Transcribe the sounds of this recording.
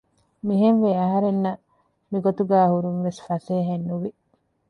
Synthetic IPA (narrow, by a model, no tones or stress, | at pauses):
miɦenʋeːɐɦɐɾenːɐ | miɡot̪uɡæːhuɾunʋesfɐseːɦenːuʋi